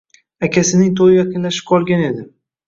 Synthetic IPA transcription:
akʲʰasɪnɪŋt̪ʰojɪjaqʰɨnlaʃɪ̥p̚qʰɒlˠɡʲane̞d̪ɪ

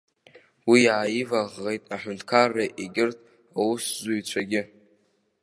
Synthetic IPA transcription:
wijaːjivaʁːejtʼaħʊntʰkʰarːaʔiɡʲɪrtʰʼ | awuszuɥt͡ɕʷʰaɡʲɪ

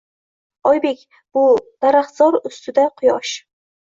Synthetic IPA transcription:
ɒjbe̞kʲ | b̥ʊd̪̥aɾaχzɒɾʊst̪ʰɪd̪aqʰʊjɒʃ

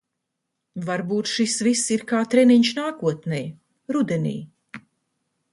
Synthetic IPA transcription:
vaɾbuːt̪ʃisvisːiɾkaːt̪ɾɛniɲʃnaːkuɔt̪nɛj | ɾud̪ɛnḭː

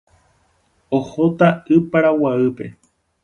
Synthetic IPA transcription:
ohot̪aɨpaɾawaɨpe̞

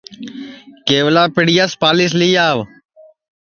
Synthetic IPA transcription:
keːʋlaːpɪɽɪjaspaːlɪːsliːaːʋ

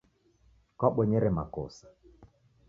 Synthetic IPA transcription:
kaɓɔɲɛɾɛma̰kɔsḁ

